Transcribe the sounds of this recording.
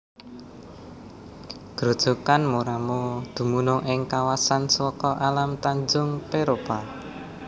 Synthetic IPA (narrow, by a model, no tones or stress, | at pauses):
ɡ̥ɾo̤d̥ʒ̥o̤kanmoɾamod̪̥ṳmunʊŋʔɪŋkawasanswɔkɔʔalamt̪aɲd͡ʒʊŋpeɾopa